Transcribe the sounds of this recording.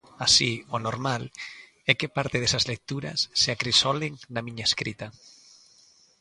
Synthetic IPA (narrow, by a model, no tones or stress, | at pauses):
asionoɾmal | ɛkepaɾt̪eðesazlek̚t̪uɾa̰sːeakɾisɔleŋnamĩɲaeskɾit̪a